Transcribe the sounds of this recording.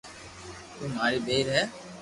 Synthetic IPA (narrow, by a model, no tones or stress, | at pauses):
t̪uːmaːɾiːbeːɾɦɛː